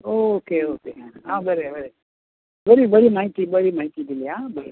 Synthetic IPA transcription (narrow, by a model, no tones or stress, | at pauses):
okeokeãɦãːbəɾebəɾe | bəɾibəɽimaːɦit̪ibəɽimaːɦit̪id̪iliãːbəɾe